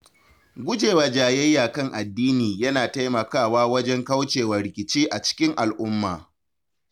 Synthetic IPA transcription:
ɡʷʊ˦d͡ʒeː˨waː˨d͡ʒaː˨jɛ˦jːaː˨kɐ˦˨ŋʔa˨dːiː˦niː˨jɐ˦naː˨ta˦jmɐ˨kaː˦˨waː˦wɐ˦d͡ʒɛ˦ŋkɐ˦wt͡ʃeː˨wɐ˨rɾɪ˨kʲɪ˨t͡ʃiː˦ʔa˨t͡ʃɪ̥˦kʲɪ˦ŋʔa˨lʔʊ˦mːa̰ː˨

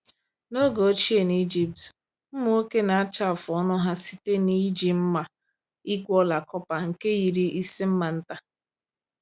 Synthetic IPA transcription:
no˦ɡo˨o˦t͡ʃi˦e˨ni˦d͡ʒi˨p̚t | m̩˦mu˦o˦ke˦na˨a˦t͡ʃa˦˨fʊ˨ɔ˦nʊ˦ɦa˦si̥˦te˦ni˦d͡ʒi˨m̩˦ma˨ | i˦ɡʷɔ˦la˨kɔ˦pa˨ŋ̩˨ke˦ji˨ɾi˦ʔi˦si˦m̩˦ma˨n̩˦ta˦

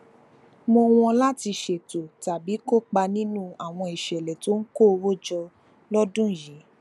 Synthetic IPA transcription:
mo˧w̃ɔ̃˧la˦ti˧ʃe˨to˨ta˨bi˨˦ko˦˨k͡pa˧nĩ˦nũ˦a˨w̃ɔ̃˧i˨ʃɛ˨lɛ˨to˨˦n̩˦ko˦˧wo˦d͡ʒɔ˧ | lɔ˦dũ˦˨jĩ˨˦

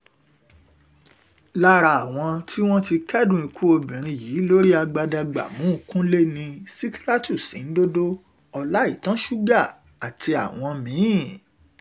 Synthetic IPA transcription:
la˦ɾa˧a˨w̃ɔ̃˧tʰi˦w̃ɔ̃˦ti˧kɛ˦dũ˦ĩ˧ku˦o˧bĩ˨ɾ̃ĩ˧jiː˨˦lo˦ɾi˦a˧ɡ͡ba˧da˧ɡ͡ba̰˨mũ˨˦˨kũ˦le˦nĩ˧si˦ki˦ɾa˦tu˦˨sḭ̃˨n̩˦do˦do˦ | ɔ˧la˦i˦˨tã˦ʃu˦ɡa˦˨ | a˨ti˧a̰˨w̃ɔ̃˧mĩ˨˦i˦˨

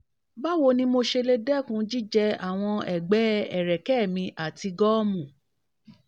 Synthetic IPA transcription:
ba˦wo˧nĩ˧˦mo˧ʃe˧le˧dɛ˦˨kũ˧˦d͡ʒi˦d͡ʒɛ˧a̰˨w̃ɔ̃˧ɛ˨ɡ͡bɛ˨˦ɛ˨ɾɛ˨kɛ˦˨mĩ˧ʔa˨ti˧ɡɔ˦mũ˨

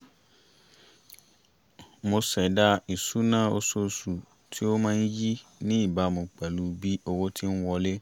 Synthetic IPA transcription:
mʊ̃˧sɛ˨da˦i˨su˦nãː˦o˦so˦su˨ | tʰi˦o˦mãː˦n̩˦ji˦nĩ˦i˨ba˨˦˨mʊ̃˨k͡pɛ˨lu˨˦bi˦o˦wo˦tʰi˦n̩˦wɔ˧le˦

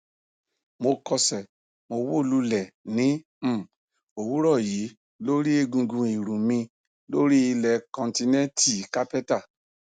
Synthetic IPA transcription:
mo˧kɔ˧sɛ˨ | mo˧wo˦˨lu˦lɛ˦˨nĩ˨˦˨ | o˨wu˦ɾɔ˦˨ji˨˦ | lo˦ɾi˦e˧ɡũ˧ɡũ˧i˨ɾũ˨mĩ˧ | lo˦ɾi˦i˧lɛ˨kɔ̃˨nti˧nɛ̃˦tʰi˦˨ka˦pɛ˦ta˦˨

